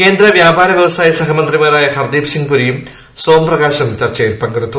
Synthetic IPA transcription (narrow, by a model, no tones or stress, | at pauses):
keːnd̪rɐʋjaːbʱaːɾɐʋjeʋɐsaːjɐsɐɦɐmɐnd̪rimaːɾaːjɐxɐrd̪iːpsiŋɡpuɾijum | soːmprɐɣaːɕɐmt͡ɕɐrt͡ɕɐjilpɐŋɡɐɽut̪ːu